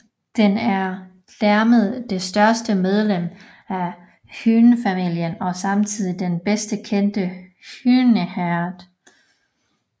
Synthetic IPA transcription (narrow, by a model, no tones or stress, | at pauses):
d̥enæɐ | læɐməð̩ˠd̥e̝sd̥ɶɐsd̥əmeð̞ˠlem̰ | æ | hyːnəfæmil̰jənɒ̽sɑ̈mt͡sʰið̞̰ˠid̥enb̥esd̥əkʰen̰d̥əhyːnəhæɐd̥